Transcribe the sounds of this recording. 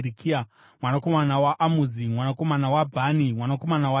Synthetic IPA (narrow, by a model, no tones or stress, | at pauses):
ɾikʰia | mwanako̞manawaʔamuzimwanako̞manawabʱanimwanako̞manawa